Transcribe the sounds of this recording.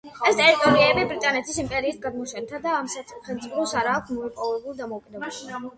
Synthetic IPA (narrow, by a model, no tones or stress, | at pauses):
ɛst̪ʼɛɾit̪ʼɔɾiɛbibɾit̪ʼanɛt̪ʰisimpʼɛɾiːt̪̚ɡad̪̚mɔʃɛnt̪ʰad̪aːmsaχɛlt̪sʼipʰɔsaɾaːk̚ʷʰsmɔipʼɔvɛbulˠd̪amɔwkʼid̪ɛbaʃʰ